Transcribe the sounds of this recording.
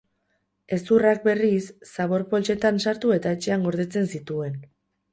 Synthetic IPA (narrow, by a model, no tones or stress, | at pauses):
e̞surak̚be̞risːaβo̞ɾpo̞lt͡ʃe̞t̪ansaɾt̪ue̞t̪aet͡ʃe̞aŋɡo̞ɾðe̞t͡se̞nsit̪ue̞n